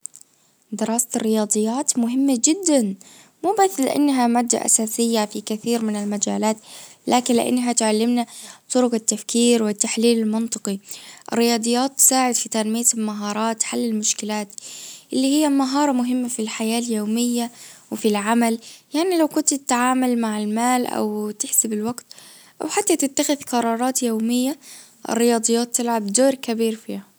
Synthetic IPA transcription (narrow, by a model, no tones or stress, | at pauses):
d̪ɪɾˤɑːsɪrːɪjɑːd̪ˤɨjːaːt̪mʊɦɪmːad͡ʒɪd̪ːan | muːbaslɪ̰ʔa̰nːɦamaːd̪ːa̰ʔa̰saːsɪjːafikɪθiːɾmɪnɪlmad͡ʒaːlaːt̪laːkɪnlɪ̰ʔa̰nːɦat̪ʕalːɪmnat̪ˤʊɾʊqat̪ːafkiːɾwɪt̪ːaħliːlɪlmɪnt̪ˤɨqiʔɪ̰rːɪjɑːd̪ˤɨjːaːt̪ːɪ̥saːʕɪd̪fit̪anmɪjalmaɦɑːɾˤɑːt̪ħalːɪlmʊʃkɪlaːt̪ʔɪlːihɪjːamaɦɑːɾˤɑmʊɦɪmːafilħajaːljoːmɪjːawɪfilʕamaljaʕnilawkʊnt̪ɪt̪ːʕaːmalmaʕɪlmaːlʔa̰wt̪ɪħsɪbɪlwaɡt̪ | ʔa̰wħat̪ːat̪ɪt̪ːaxɪðqɑɾˤɑːɾˤɑːt̪joːmɪjːa | ʔɪ̰rːɪjɑːd̪ˤɨjːɑːt̪ːɪlʕabd̪oːɾkabiːɾfiːha